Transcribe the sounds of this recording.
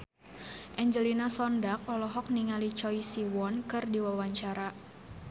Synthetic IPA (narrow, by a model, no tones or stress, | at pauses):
ʔɛɲd͡ʒəlinasɔndak̚ɔlɔɦɔk̚niŋalit͡ʃɔjsiwɔnkɨrdiwawaɲt͡ʃaɾa